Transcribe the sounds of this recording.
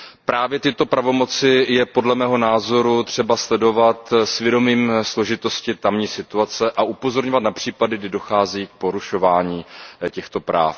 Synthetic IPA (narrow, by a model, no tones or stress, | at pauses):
pɾʔaːvjɛt̪ɪt̪o̞pɾavo̞mo̞t͡sɪjɛpo̞dlɛmɛːɦo̞naːzo̞ɾut̪r̝̥ɛbaslɛdo̞vat̪svjɛdo̞miːmslo̞ʒɪt̪o̞scɪt̪amɲiːsɪt̪uat͡sɛʔaʔupo̞zo̞ɾɲovat̪napr̝̥iːpadɪɡdɪdo̞xaːziːk̚po̞ɾuʃo̞vaːɲiːcɛxt̪o̞pɾa̰ːf